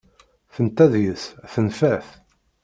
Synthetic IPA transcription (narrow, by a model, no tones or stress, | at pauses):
θənt̪æðjəsθənfæθ